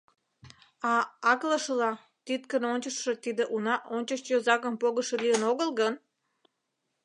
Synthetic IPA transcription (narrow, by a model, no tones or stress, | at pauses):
ɑɑkləʃəlɑ | t̪it̪̚kənonʲt͡ɕəʃːĕt̪id̪eʔunɑʔonʲt͡ɕəʃjozɑkəmpoɣəʃeliənoɣəlɣən